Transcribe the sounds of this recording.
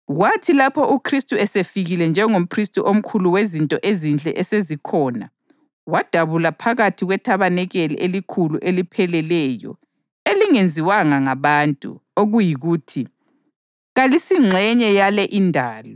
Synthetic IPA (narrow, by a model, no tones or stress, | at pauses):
ɣwatʰilapʰɔʔukʰristʼuɛsefiɣilɛnd͡ʒʱɛŋom̩pʰristʼuʔom̩kʰuluwezintʼɔʔezind͡ɮʼɛ̰ʔɛsezikʰɔːna̰ | wad̥ʱaβulapʰaɣatʰiɣwɛtʰaβanɛɣɛlḭʔelikʰuluʔelipʰɛlɛlɛjɔ̰ | eliŋend͡zʱiwaŋaŋaβaːntʼṵoɣujiɣuːtʰi | ɣalisiŋ͡ǁʱɛɲɛjalɛʔindʱaːlɔ